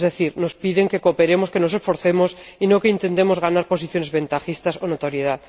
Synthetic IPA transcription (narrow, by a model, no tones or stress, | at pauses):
zðeθiɾno̞spiðeŋke̞ko̞pe̞ɾe̞mo̞skenos̬e̞sfo̞ɾθe̞mo̞sinoke̞int̪e̞nt̪e̞mo̞zɣanaɾpo̞s̬iθjo̞nezβe̞nt̪axist̪asonot̪oɾjeða